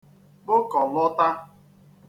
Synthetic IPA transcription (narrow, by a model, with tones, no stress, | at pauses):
bʊ˦kɔ˨lʊ˦ta˦